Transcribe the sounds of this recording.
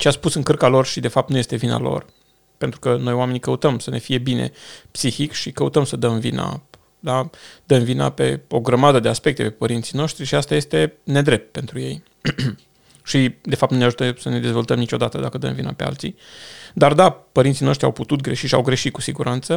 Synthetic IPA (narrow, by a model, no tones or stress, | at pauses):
t͡ʃeaspusɨŋkɨrkalo̞rʃid̪e̞fap̚t̪nuje̞st̪e̞vina̰lo̞̰r | pent̪ɾukəno̞jowame̞nikəut̪əmsəne̞̰fije̞bine̞̰psixikʃikəut̪əmsəd̪əmvḭna̰ | d̪ad̪̥əmvina̰pe̞̰o̞ɡɾəmad̪əd̪easpe̞k̚t̪e̞̰pe̞pəɾint̪sino̞ʃt̪ɾiʃiast̪aje̞st̪e̞ne̞d̪ɾe̞p̚t̪̚pe̞nt̪ɾuje̞̰j | ʃid̪e̞fap̚t̪nuneaʒut̪əsəne̞d̪e̞zvo̞lt̪əmnit͡ʃo̞d̪at̪əd̪akəd̪ə̰mvina̰pe̞a̰lt̪sḭd̪ard̪apəɾint̪sino̞ʃt̪ɾʲiawput̪ut̪ɡɾe̞ʃiʃia̰wɡɾe̞ʃit̚kusiɡuɾʔant̪sə